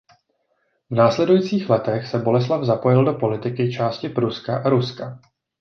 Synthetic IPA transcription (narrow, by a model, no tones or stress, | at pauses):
vnaːslɛdujiːt͡siːxlɛt̪ɛxsɛbo̞lɛs̬lavzapo̞jɪldo̞po̞lɪt̪ɪkɪt͡ʃaːscɪpɾuskaʔaɾuska